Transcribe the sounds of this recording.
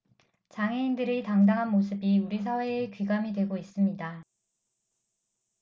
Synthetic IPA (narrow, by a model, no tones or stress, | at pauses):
t͡ɕaŋɦe̞indɯɾetaŋdaŋɦanmos̬ʰɯbiuɾis̬ʰawe̞ːkɥiɡamidwe̞ɡois͈ɯmɲida